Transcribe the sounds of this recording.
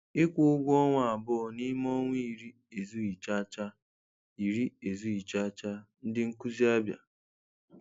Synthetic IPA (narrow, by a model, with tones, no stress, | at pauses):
ɪ˦kʷʊ˦ʊ˦ɡʷɔ˦ŋʷ˦˨a˨bʊ˦˨ni˦mɔ˦ŋʷi˦˨ɾi˦ | e˨zu˦i˨t͡ʃa˦t͡ʃa˦ | i˨ɾi˦e˨zu˦i˨t͡ʃa˦t͡ʃa˦n̩˦dɪ˦ŋ̩˦ku˦zi˦a˦bja̰˨